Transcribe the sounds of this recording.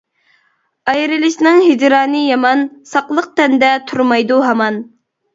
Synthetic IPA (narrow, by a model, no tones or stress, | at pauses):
ɑjɾɪlɪʃnɪŋɦid͡ʒ̪ɾɑːnɨjɑmɑnsɑqlˠəq̚t̪ɛnd̪ɛt̪ʰuɾmɑjd̪uɦɑmɑn